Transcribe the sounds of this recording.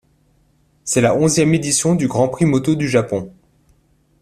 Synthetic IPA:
sɛlaɔ̃zjɛmed̪isjɔ̃d̪yɡʁɑ̃pχimɔt̪od̪yʒapɔ̃

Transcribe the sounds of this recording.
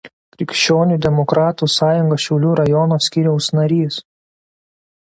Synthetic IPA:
kɾʲɪkʲʃʲt͡ʃʲoːnʲuˑd̪ʲɛmɔkɾɑːt̪uːsɑːjʊŋɡoʃʲɛʊlʲuːɾɐjɔnoːsʲkʲiːɾʲɛʊsnɐɾʲiːs

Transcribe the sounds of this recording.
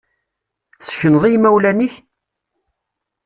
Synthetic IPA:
sçənðˤijmæwlæniç

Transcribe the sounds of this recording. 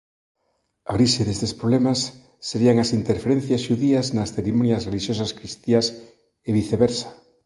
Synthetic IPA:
aɾiʃeðest̪espɾoβlemasː | eɾiaŋasint̪eɾfeɾẽn̟θjasʃuðiaznɐsθeɾimonjɐsreliʃjosaskɾist̪ias | eβiθeβeɾsḁ

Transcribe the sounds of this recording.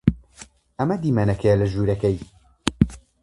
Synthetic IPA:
ɐmɐd̪iːmaːnɐkɛjalɐʒuːɾɐkɛj

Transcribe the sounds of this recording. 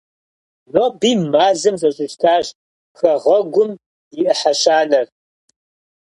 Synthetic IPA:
noːbiːmaːzɨmzʼɐɕʼɪʃtʰaːʑ | xɐʁɐɡʷʊm | jɪʔɨħaʃaːnɐr

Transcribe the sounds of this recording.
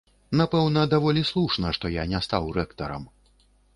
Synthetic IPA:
napɛwnɐd̪avɔlʲislˠuʂnɐʂt̪ɔjanʲɛst̪awrɛkt̪ɐɾɐ̰m

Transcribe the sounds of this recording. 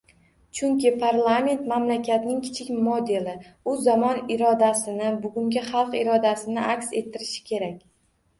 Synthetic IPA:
t͡ʃʰʊŋkʲɪpʰaɾlˠame̞nt̪mamlakʲat̪nɪŋkʲʰɪ̥t͡ʃʰɪkʲmod̪e̞lɪʊzamɒnɪɾɒd̪asɪnɪbʊɡʲʊŋɡʲaχɑlˠqɪɾɒd̪asɪnɪʔakʲse̞t̪ʰːɪɾɪʃɪ̥kʲʰe̞ɾakʲ

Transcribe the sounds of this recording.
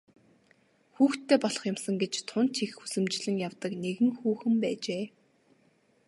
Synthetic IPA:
xuːxt̪ʰːeːpɔɮɞ̥̆χjʊmsə̆ŋɡet͡ɕt̪ʰʊn̥t͡ɕʰixusɘ̆mt͡ɕɮɘ̆ŋjawt̪ə̆kneɣɘ̆ŋxuːxɘ̆mpæːt͡ɕeː

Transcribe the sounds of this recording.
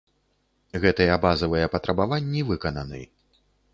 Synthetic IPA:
ɣɛt̪ɨjɛabazɐvɨjɛpɐt̪ɾʔɐbavanʲːivɨkɐnɐnɨ̰j

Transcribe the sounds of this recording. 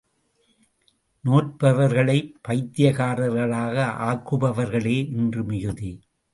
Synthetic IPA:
noːʈ̚pɐʋɐɾɣɐɭɐɪpːɐɪt̪ːɪjɐɣaːɾɐɾɣɐɭaːɣɐʔaːkːɯbɐʋɐɾɣɐɭeːʔɪndrɯmɪjɯði

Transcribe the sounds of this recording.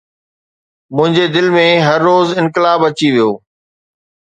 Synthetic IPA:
mʊ̃ɦɪ̃ɲd͡ʑed̪ɪlmẽɦɐɾːoːzɪ̃nkɪlaːbɐt͡ɕiʋijoː

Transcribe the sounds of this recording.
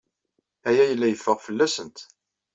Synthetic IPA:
æjæjəlːæjəfːəʁfəlːæsənt̪

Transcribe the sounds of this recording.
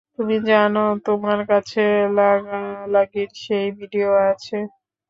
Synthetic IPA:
t̪umid͡ʑanot̪omaɾkat͡ɕʰelaɡalaɡiɾʃejbʱiɖioat͡ɕʰe

